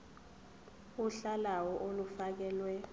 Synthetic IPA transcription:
uɬalawɔʔolufak̬ɛːlwɛ

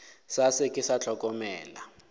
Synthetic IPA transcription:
sasekʼɪsat͡ɬʰɔk̬ʼɔmɛːla

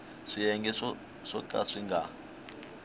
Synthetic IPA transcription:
ʂiɛŋɡɛʂ | ʂɔkʼa̰ʂiŋɡa

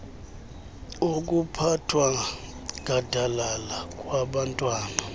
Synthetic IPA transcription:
ok̬ʼupʰatʰwa | ŋɡʱadʱalalakʼwaɓantʼwaːna

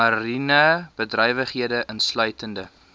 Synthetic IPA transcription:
ɐrinəb̥ədrœjvəχɦiədəʔənslœɥtəndə

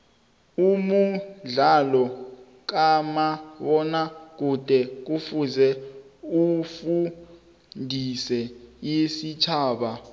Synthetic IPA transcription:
umuɮalɔ | k̬amaɓɔnak̬ud̥ʱɛk̬ufuzɛufu | ndʱisɛjisit͡ʃʰaːɓa

